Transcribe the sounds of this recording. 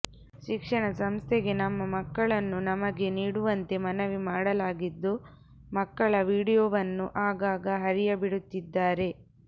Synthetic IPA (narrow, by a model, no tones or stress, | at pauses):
ʃikʂɐɳɐsɐmst̪ʰeɡe̞nɐmːɐmɐkːɐɭɐnːunɐmɐɡe̞niːɽuʋɐnt̪e̞mɐnɐʋimaːɽɐlaːɡid̪ːu | mɐkːɐɭɐʋiːɽijoːʋɐnːuʔaːɡaːɡɐɦɐɾijɐbiɽut̪ːid̪ːaːɾe̞